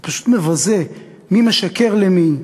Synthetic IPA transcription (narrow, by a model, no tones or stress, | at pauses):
paʃu̥t̪mevaze | mimeʃakeʁlemi